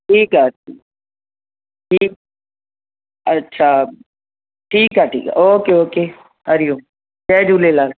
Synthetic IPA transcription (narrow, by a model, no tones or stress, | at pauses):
ʈʰiːkɦaːʈʰiː | ʈʰiːk̚ | ətːʃʰa | ʈʰiːkaːʈʰḭːkoːkeoːkeː | əɾijõː | t͡ʃɛːd͡ʒuːleːlaːl